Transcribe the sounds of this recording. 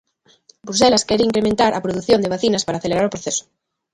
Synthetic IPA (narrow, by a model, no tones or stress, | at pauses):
bɾus̬elaskeɾeiŋkɾemẽnt̪aɾʔapɾoðuθjond̪eβ̞aθinaspaɾaːθeleɾaɾopɾoθeso̥